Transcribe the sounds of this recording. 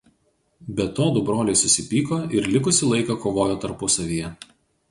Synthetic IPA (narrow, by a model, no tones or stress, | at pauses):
bʲɛt̪oːd̪ʊbɾoːlʲɛɪsʊsʲɪpʲiːkoːɪɾlʲɪkʊsʲɪlˠɐɪkɑkoːʋoːjoːt̪ɐɾpʊsɐʋʲijɛ